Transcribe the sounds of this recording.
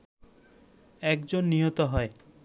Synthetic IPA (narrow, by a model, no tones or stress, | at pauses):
ɛkd͡ʑonːiɦot̪oɦɔe